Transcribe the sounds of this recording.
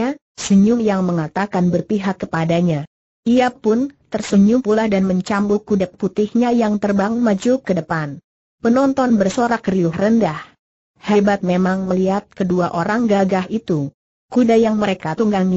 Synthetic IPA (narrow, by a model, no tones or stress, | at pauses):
a | səɲʊmjaŋməŋat̪akanbərpiɦakːəpadaɲa | iapʊnt̪ərsəɲʊmpulahdanməɲt͡ʃambukudɛp̚kut̪ɪhɲajaŋt̪ərbaŋmad͡ʒukədəpan | pənɔnt̪ɔnbərsoɾakriʊhrəndah | hebat̪̚memaŋməliat̪̚kəduaʔoɾaŋɡaɡahit̪u | kudajaŋməɾekat̪uŋɡaɲi